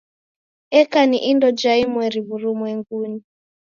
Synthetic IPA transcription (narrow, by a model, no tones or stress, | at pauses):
ɛkaniʔindɔd͡ʒaimwɛɾiβuɾumwɛŋɡuni